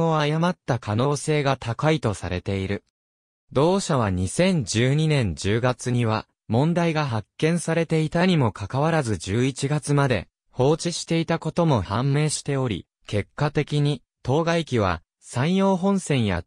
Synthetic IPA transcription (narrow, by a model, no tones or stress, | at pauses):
oajamat̪ːakʰano̞ːse̞ːɡat̪ʰakait̪o̞sa̰ɾe̞̰t̪e̞iɾɯ̟ | d̪o̞ːɕaβ̞aɲ̟isẽ̞ɲ̟d͡ʑɨːɲ̟inẽ̞ɲ̟d͡ʑɨːɡat͡sɨɲ̟iβa̰ | mõ̞nd̪aiɡaɦakːẽ̞ɰ̃saɾe̞t̪e̞it̪aɲ̟imo̞kʰakaβaɾazɨd͡ʑɨːit͡ɕiɡat͡sɨmad̪e̞̰ | ho̞ːt͡ɕiɕi̥t̪e̞it̪ako̞t̪o̞mo̞hãmːe̞ːɕi̥t̪e̞o̞ɾʲḭ | ke̞kːat̪e̞kʲiɲ̟i | t̪o̞ːɡaikʲiβ̞a̰ | sãɰ̃jo̞ːɦõ̞ɰ̃sẽ̞ɰ̃ja̰